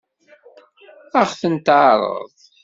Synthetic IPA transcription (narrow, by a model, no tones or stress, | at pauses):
æχθənt̪ʕɾˤə̰ðˤ